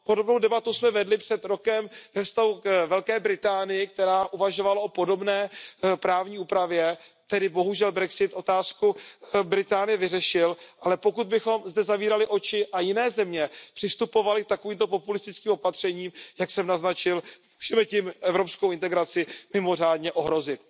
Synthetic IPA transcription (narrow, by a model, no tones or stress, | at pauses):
po̞dobnowdɛbat̪usmɛvɛdlɪpr̥ɛt̪ɾo̞kɛmvɛfst̪aɦukvɛlkɛːbɾɪt̪aːnɪjɪk̚t̪ɛɾaːʔuvaʒo̞valao̞po̞do̞bnɛːpɾaːvɲiːuːpɾavjɛ | t̪ɛdɪbo̞ɦuʒɛlbɾɛksɪt̪ʔo̞t̪aːskubɾɪt̪aːnɪjɛvɪrɛʃɪlʔalɛpo̞kud̪̚bɪxo̞mzdɛzaviːɾalɪʔo̞t͡ʃɪʔajɪnɛːzɛmɲɛpr̥ɪst̪upo̞valɪk̚t̪ako̞viːmt̪o̞po̞pulɪst̪ɪt͡skiːmopat̪r̝̥ɛɲiːmjaksɛmnaznat͡ʃɪlmuːʒ̥ɛmɛcɪmʔɛvɾopskowɪnt̪ɛɡɾat͡sɪmɪmo̞r̝aːdɲɛʔo̞ɦɾo̞zɪt̪